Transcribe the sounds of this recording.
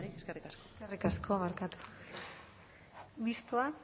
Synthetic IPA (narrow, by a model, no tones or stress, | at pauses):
eskerikaskoskerikaskʰoβaɾkat̪u̥ | βist̪oa